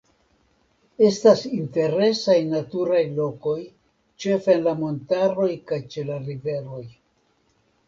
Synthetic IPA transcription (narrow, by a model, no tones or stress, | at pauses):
e̞stasinte̞ɾe̞sajnatuɾajlo̞ko̞j | t͡ʃe̞fenlamo̞ntaɾo̞jkajt͡ʃe̞laɾive̞ɾo̞j